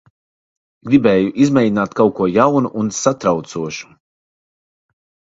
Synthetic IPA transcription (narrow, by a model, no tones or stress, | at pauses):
ɡɾibɛːjuʔizmʲɛjdʲinaːt̪kawkuɔjawnuʔunsat̪ɾawt̪suɔʃu̥